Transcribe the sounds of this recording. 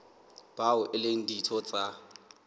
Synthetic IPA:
b̥aʊʔɪleŋ̩ditʰɔt͡sʼa

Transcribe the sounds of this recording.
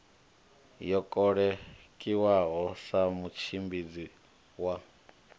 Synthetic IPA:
jɔkʼɔɺɛ | kʼiwaɦɔsamut͡ʃʰimbid͡zi | wa

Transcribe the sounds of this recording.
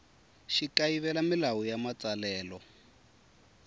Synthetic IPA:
ʃikaiβɛlamilawujamat͡salɛːlɔ

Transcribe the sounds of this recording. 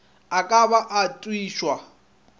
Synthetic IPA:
akʼaβaʔatʼwiːʃwa

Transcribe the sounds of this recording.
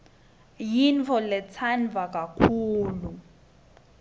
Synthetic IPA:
jint͡fʰɔlɛt͡sʰanvak̬ʼakʰuːlu

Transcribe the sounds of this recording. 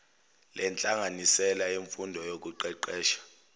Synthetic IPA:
lʔɛnt͡ɬʼaŋanisɛlaeɱfundʱɔjok̬ʼuǃɛǃɛːʃḁ

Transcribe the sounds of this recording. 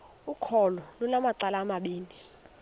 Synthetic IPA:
ukʰɔlɔlunamaǀalaːmaɓiːnʱi

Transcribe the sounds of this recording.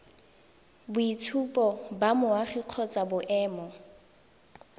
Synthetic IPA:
bʊitʰupʼɔbamʊwaχiq͡χʰɔt͡sʼabʊʔɛːmɔ

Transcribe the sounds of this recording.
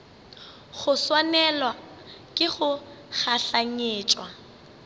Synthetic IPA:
χʊswanɛlwa | kʼɪχʊχaɬaŋeːt͡ʃʼwa

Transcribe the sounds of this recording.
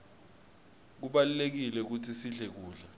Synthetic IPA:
k̬uɓalulek̬ilɛk̬utʰisiɮɛk̬uːɮɛ

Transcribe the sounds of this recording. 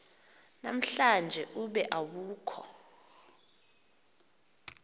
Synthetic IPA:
na̰m̩ɬand͡ʒʱɛʔuɓɛʔawuːkʰɔ

